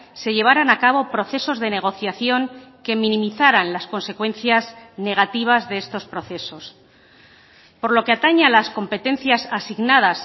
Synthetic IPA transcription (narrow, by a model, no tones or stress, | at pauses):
se̞ʎe̞β̞aɾanakaβ̞o̞pɾo̞θe̞so̞zðe̞ne̞ɣ̞o̞θjaθjo̞ŋke̞mĩnĩmiθaɾanlasko̞nse̞kwe̞nθjazne̞ɣ̞at̪iβ̞azðe̞est̪o̞spɾo̞θe̞so̞s | po̞ɾlo̞ke̞at̪aɲalasko̞mpe̞t̪e̞n̟θjasasiɣnað̞as